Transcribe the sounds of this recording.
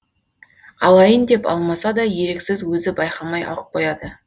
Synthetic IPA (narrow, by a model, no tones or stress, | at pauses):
ɑlˠɑjənd̪e̞pɑ̰lˠmɑsɑd̪ɑje̞ɾeksɪzwɵzɪbɑjqɑmɑjʔɑ̰lˠəp̚qojɑd̪ə